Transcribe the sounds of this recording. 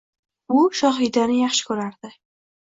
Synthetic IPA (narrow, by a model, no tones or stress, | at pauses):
ʊʃɒɦɪd̪anɪjɑχʃɪ̥kʲʰɵɾaɾd̪̥ɪ